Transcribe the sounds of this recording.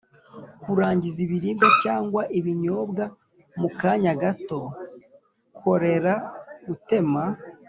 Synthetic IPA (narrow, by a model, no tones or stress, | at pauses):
kuɾaːɲɟiziβiɾiːndacaːŋɡwaʔiβiɲo̞ːbɡa | mukaɲaɡato̞ | kʰo̞ɾe̞ɾaɡute̞ma